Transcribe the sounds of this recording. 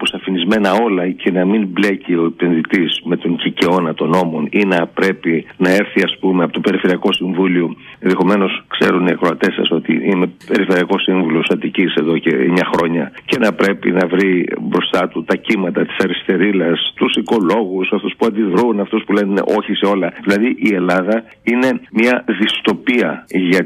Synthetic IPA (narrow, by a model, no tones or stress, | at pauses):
posɐfinizme̞nɐo̞lɐcʰe̞nɐminble̞cio̞epe̞nðit̪izme̞t̪o̞ŋɟice̞o̞nɐt̪o̞no̞mo̞ninɐpɾe̞pinɐe̞ɾθiɐspumeɐpo̞t̪o̞pe̞ɾife̞ɾiɐko̞siɱvulio | enðexo̞me̞no̞skse̞ɾuniɐkɾoɐt̪e̞sɐ̰so̞t̪ḭime̞pe̞ɾife̞ɾiɐko̞siɱvulosθɐt̪icise̞ðo̞cḛmɲɐxɾo̞ɲɐce̞nɐpɾe̞pḭnɐvɾibɾo̞st̪ɐt̪ut̪ɐcimɐt̪ɐt̪i̥sɐɾist̪e̞ɾilɐst̪usiko̞lo̞ɣusɐft̪uspuɐnd̪ivɾunɐft̪uspule̞nn̰ʔo̞çiseo̞lɐðilɐðiʔie̞lɐðɐ | ine̞mɲɐðist̪o̞piɐʝɐ